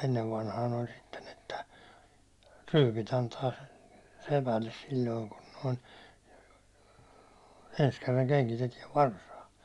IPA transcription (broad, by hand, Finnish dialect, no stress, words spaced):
enːeʋ ʋɑnhɑːn olʲ sitːen etːæ ryːpit ɑntɑː sepælːes silʲloiŋ kun noin̞ ens kerːɑŋ keŋkitetiɛʋ ʋɑrsɑː